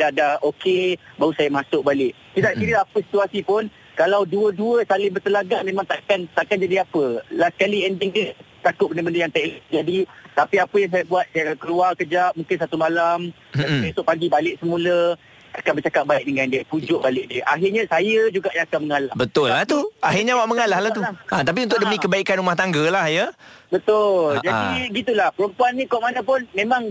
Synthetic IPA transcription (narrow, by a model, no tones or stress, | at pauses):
dadahokebaɦusajəmasʊk̚balɪʔ | kidaʔkiɾəapəsi̥t̪uasipʊn | kalawduəduəsalɪhbərt̪əlaɡaŋmẽmãŋt̪aʔkant̪aʔkand͡ʒadiapəlahsə̥kaliɛndɪŋdiət̪akʊt̪̚bəndəbəndəjaŋt̪ɛʔlʔd͡ʒadit̪apiapəjaŋs̬ajəbuat̪̚sajakankəluakəd͡ʒat̪̚mũŋkɪnsat̪umalam | aiesʊʔ̚paɡibalɪʔ̚səmũlə | akanbərt͡ʃakat̪̚baɪk̚dəŋandiəpud͡ʒʊʔ̚balɪʔ̚diəʔaɦɪrɲãsajəd͡ʒuɡaʔjãŋakanməŋalabət̪ʊlːaht̪uaɦirɲawaʔməŋalahlat̪uat̪ap̬iunt̪ʊʔ̚dəmĩkəbaikanɾumaht̪aŋɡəlahjəbət̪ʊld͡ʒadiɡit̪̬ulahpəɾumpuanːĩkuaʔmanapʊnmẽmãŋ